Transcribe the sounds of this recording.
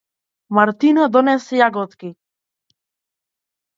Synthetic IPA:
maɾt̪inɔd̪ɔnɛsjaɡɔt̪ki

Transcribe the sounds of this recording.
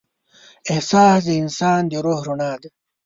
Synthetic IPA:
ehsaːsd̪iːnsaːnd̪iɾoːhɾunaːd̪

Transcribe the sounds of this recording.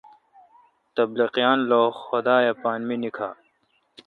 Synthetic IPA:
t̪ɐbliqijaːnloːxʊd̪aːjapaːnminikʰa̰ː

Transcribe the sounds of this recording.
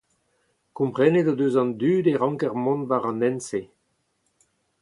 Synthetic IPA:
kɔ̃mpχɛned̪od̪øːzɑ̃nd̪yːd̪eʁɑ̃ŋkɛʁmɔ̃nvaʁɑ̃nɛnse

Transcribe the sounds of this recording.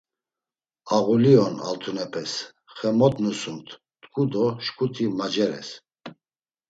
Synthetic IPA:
aɣuliɔna̰lt̪ʰunɛpʰʼɛs | χɛmɔd̪nusumt̪ʰ | t̪kʰʼud̪ɔʃkʰʼut̪ʰimad͡ʒɛɾɛ̰s

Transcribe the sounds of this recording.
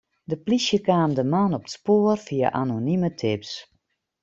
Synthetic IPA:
dəplisjəkaːmdəmanɔpə̥tspoərfia̰ʔa̰nonimətʰɪps

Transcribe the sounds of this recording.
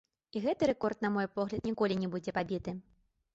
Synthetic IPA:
iɣɛt̪ɨɾɛkɔrt̪̚nɐmɔjpɔɣlʲɐt̪nʲikɔlʲinʲɛbud͡zʲɛpabʲit̪ɨ

